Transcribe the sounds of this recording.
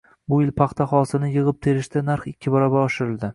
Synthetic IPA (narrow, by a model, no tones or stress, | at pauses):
bʊɪlpʰɑχt̪ʰaχɒsɪnɪjɨʁɨp̚t̪ʰe̞ɾɪʃt̪anaɾχɪkʲʰːɪbɒɾabaɒʃɪɾɪld̪ɪ